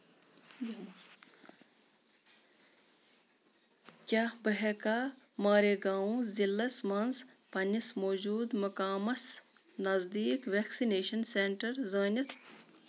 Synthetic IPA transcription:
kʲaːbɐɦekaː | maːɾeɡaːũzilːɐsmɐnz | pɐnismoːd͡ʒuːd̪mɐkaːmɐs | nɐzd̪iːkʋeːksineːʃɐnseɳʈɐɾzəːnʲɐt̪ʰ

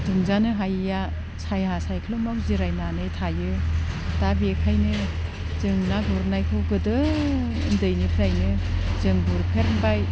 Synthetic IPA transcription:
duŋzanɯɦajja | sajɦasajkʰɯlomawziɾajnanɯjtʰajɯtabiekʰajnɯ | zɯŋnaɡuɾnajkʰɯwɡɯdɯː | ndɯjnipʰiɾajnɯzɯŋbuɾkʰeɾnbaj

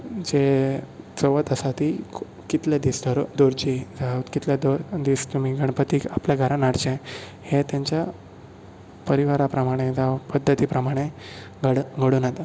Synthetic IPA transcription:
d͡ʑe | t͡səʋət̪əsat̪iː | kit̪led̪isd̪ʱəɾod̪oɾt͡ɕid͡zat̪kit̪lad̪od̪ist̪um̤iːɡʱəɳpət̪iːkapljaɡʱəɾãnaɽt͡ɕẽhet̪jaɲt͡ɕja | pəɾiʋaɾapɾəmaɽ̃ed͡zapəd̪ʱːət̪iːpɾəmaɽ̃e | ɡəɽɡʱəɽuːnat̪a

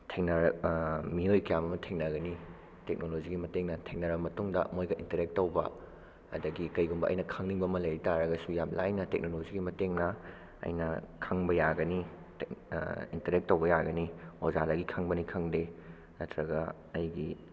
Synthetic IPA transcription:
tʰek̚nɐɾmiojkɐjamɐmɐtʰeŋnɐɡɐni | tek̚noloziɡimɐteŋnɐtʰeŋ̚nɐɾbɐmɐtuŋdɐ̰mojɡɐʔintɐɾek̚tːowbɐ̰ | ɐ̰dɐɡikɐjɡumbɐʔɐ̰jnɐkʰɐŋniŋbɐmɐlɐjɾitaɾɐɡɐsujap̚laɐjnɐtek̚noloziɡimɐteŋnɐ | ɐ̰jnɐkʰɐŋbɐjaɡɐni | t | intɐɾek̚tːowbɐjaɡɐniozadɐɡikʰɐŋbɐnikʰɐŋde | nɐtɾɐɡɐː | jɡi

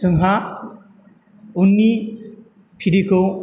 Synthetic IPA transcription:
sɯŋɦa | unːi | pʰiɾikʰɯ

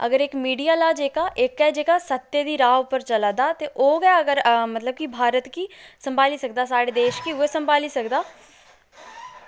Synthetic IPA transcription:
ə̰ɡəɾɪkmiːɖiːaːlaːd͡ʒeːkaːʔɪkɛːd͡ʒeːkaːsət̪ːeːd̪iːɾaːʊpəɾt͡ʃəlad̪aːt̪eːʔoːɡaːəɡəɾmət̪ləb̚kibʱaːɾət̪kiːsəmbʱaːliːsək̚d̪aːsaːɽeːd̪eːʃkiʊeːsəmbʱaːliːsəkd̪aː

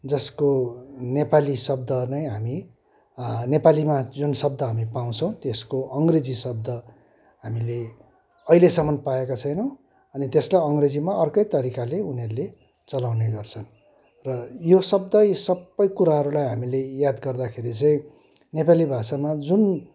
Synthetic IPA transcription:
d͡zʌskonepalisʌb̚d̪ʌnʌjɦami | nepalimad͡zunsʌb̚d̪ʌɦamipaw̃t͡sʰʌ̃w̃t̪eskoʔʌŋɡred͡zisʌb̚d̪ʱʌ | ɦamile | ʌilesʌmːʌnpaekat͡sʰʌjnʌ | ʌnit̪eslajʌŋɡred͡zimaʌrkʌjt̪ʌɾikaleunerle | t͡sʌlawneɡʌrt͡sʰʌn | rʌjosʌb̚d̪ʌjsʌbːʌjkuɾaɦʌɾulajɦamilejad̪ɡʌrd̪akʰeɾit͡sʌĩ | nepalibʱasamad͡zun

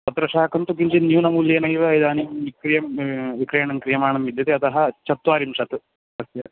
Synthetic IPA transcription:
t̪ɐt̪ɾɐʂaːkʰɐnt̪ukiɲd͡ʒinjuːnɐmuːljeːnɐjiʋɐid̪aːnimʋikɾijɐmʋikɾeːɳɐmkɾijɐmaːɳɐmʋid̪jɐt̪eɐt̪ɐɦɐt͡ʃɐt̪ʋaːɾimʃɐt̪ɨ | ɐsjɐ

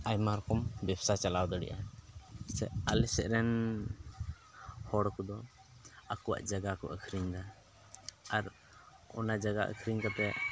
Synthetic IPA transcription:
ajmaɾɔkɔmbɛbsat͡ʃalawd̪ɔɽɛ̰ʔa | sɛ̰ʔalɛsɛʔɾɛn | hɔɽɔkɔd̪ɔ | akɔwa̰ʔd͡ʒaɡakɔ̰ʔəkʰɾiɲd̪a | aɾ | ɔ̰nad͡ʒaɡa̰ʔə̰kʰɾiɲkat̪ɛ

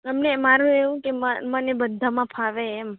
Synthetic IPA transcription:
əmnemaɾũeʋũkeməmənebəd̪ʱamãpʰaʋeːm

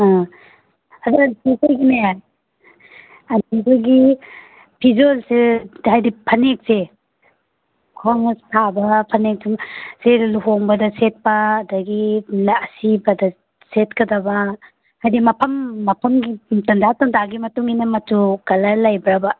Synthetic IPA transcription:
a | adasesajɡinajaj | adibaɡi | pʰizolsehajdipʰɐnek̚se | kʰaŋsʰabɐpʰɐnek̚semseluɦoŋbɐdɐset̚paːdɐɡilːsibɐdɐ | set̚kɐdɐbɐ | hajdimɐpʰɐmːɐpʰɐmɡitɐnd͡ʒatɐŋdaɡimɐtuŋinɐmɐtukɐlɐlajbɾabɐ

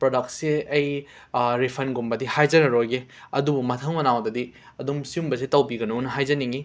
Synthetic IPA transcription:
pɾodɐk̚sseɐj | ɾipʰɐnɡumbɐdihajzɐɾɐɾojɡe | ɐdubumɐtʰɐŋmɐnawdɐdi | ɐdumsiumbɐs̬etɐwbiɡɐnonɐɦajzɐniŋi

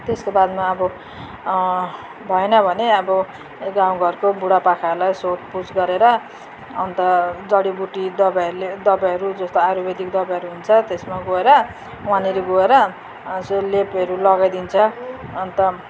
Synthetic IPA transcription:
t̪eskobad̪maːbʌ | bʱʌenʌbʱʌneʌbʌ | ɡaw̃ɡʱʌrkobuɽapakʰaʌɾlajsoʈ̚pusɡʌɾeɾʌ̰ː | nt̪ʌd͡zʌɽibuʈid̪ʌbajʌled̪ʌbajʌɾud͡zʌst̪oaɾubed̪ikd̪ʌbajɦʌɾuɦunt͡sʰʌt̪esmaɡoeɾʌ | waniɾeɡoeɾʌ | slepʌɾulʌɡajd̪int͡sʰʌːnt̪ʌ

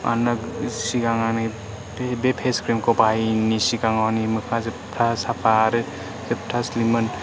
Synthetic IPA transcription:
a̰nasiɡaŋani | ebepʰeskɾimkɔpajnisiɡaŋanimɯkʰazep̚tʰasapʰaɾɯ | zep̚tʰaslimɯn

